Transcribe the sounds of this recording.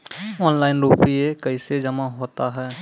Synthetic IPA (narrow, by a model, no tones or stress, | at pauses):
ɔːnlaːɪnɾuːpiekɐɪsed͡ʒɐmaɦoːt̪aɦɛː